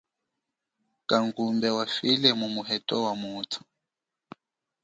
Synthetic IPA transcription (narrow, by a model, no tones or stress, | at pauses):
kaŋɡumbɛwafilɛmumuɦɛtʼɔwamuːtʰu̥